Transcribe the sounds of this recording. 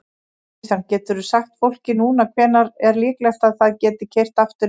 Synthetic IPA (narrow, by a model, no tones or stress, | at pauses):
ancɛːt̪ʏɾʏsaxt̪fowl̥cɪnuːnakʰvɛːnaɾɛɾlɪːklɛxt̪aðθaðcɛːt̪ɪcʰejr̥t̪aft̪ʏ